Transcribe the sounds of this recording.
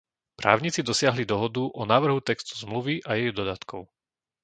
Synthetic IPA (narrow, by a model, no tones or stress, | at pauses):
pɾʔa̰ːʊɲit͡sid̪ɔsɪaɦlid̪ɔɦɔd̪uʔɔnaːʋr̩ɦut̪ɛkst̪u̥zmluʋiʔajɛjd̪ɔd̪at̪kɔʊ